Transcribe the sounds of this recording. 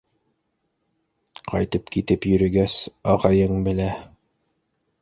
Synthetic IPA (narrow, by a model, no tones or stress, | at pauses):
qʰɑ̰jt̪ɤpkit̪ɘpjɵ̆ɾɘ̆ɡæsɑʁɑjɤɴbɘ̆læ